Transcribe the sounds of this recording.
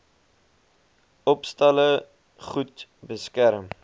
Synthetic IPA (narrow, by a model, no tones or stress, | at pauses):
ɔpstɐlə | χutbəskæɾəm